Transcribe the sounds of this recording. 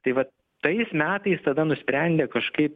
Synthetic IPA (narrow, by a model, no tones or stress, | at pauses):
t̪ɐɪʋɐ | t̪ɐɪsmʲæːt̪ɐɪst̪ɐd̪ɐnʊsʲpʲɾʲɛnʲd̪ʲeːkɐʃkɐɪp